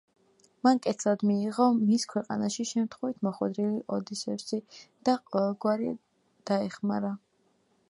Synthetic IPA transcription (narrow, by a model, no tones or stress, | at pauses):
mankʼɛt̪sʰlad̪miːʁɔmiskʰwɛqʼa̰naʃiʃɛmt̪ʰχwɛvit̪ʰmɔχwɛ̰d̪ɾiliʔɔd̪isɛfsid̪̥aqʼɔvɛlˠɡwaɾi | d̪̥aɛχma̰ɾa